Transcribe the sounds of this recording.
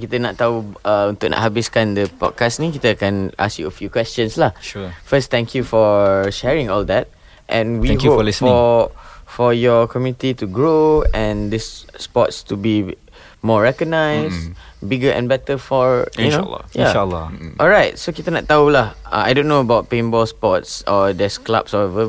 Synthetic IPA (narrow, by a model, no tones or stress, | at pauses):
kit̪ənaʔt̪ːauʌũnt̪uknʔa̰ʔhabiskãndəpɔ̰d̚kasnĩkit̪əkɛ̃nʔa̰skjuəfjukwɛst͡ʃə̃nslahʃufəst̪ɛ̃ŋkʰjufɔʃɛɹɪ̃ŋɔld̪ɛt̚ | ʔɛ̰̃nwihoplfɔ | fɔjɔkʰɔmjunit̪ituɡɹoɛ̃nd̪isːpɔtstubi | mɔɹɛkɔɡ̚naɪsbiɡəʔɛ̰̃nbɛtəfɔnol̰jaalːɔʔɔlɹaɪt̚sokitənɛʔ̚t̪aulaha̰a̰jdõnːoəbaʊt̚pẽnbɔlspɔtsɔd̪ɛskla̰psɔɛvə